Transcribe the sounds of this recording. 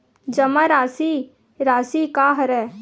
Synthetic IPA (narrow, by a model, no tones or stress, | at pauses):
d͡ʒɐmaɾaːsi | ɾaːsikaːɦɾɛː